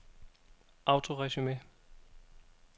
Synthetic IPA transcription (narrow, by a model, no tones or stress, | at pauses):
ʔaʊtʰoʁɛʃyme